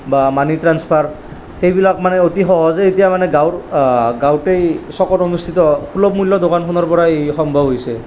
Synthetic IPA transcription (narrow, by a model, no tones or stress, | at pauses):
bamanitɹanspʰaɹ | xejbilakmanɛotixɔɦɔzeetijamanɛɡawɹɡawtejsɔkɔtonust̪ʰit̪ɔkʰulɔbmulːɔdokankʰɔnɔɹpɔɹaejxɔmbʱɔbɦojsɛ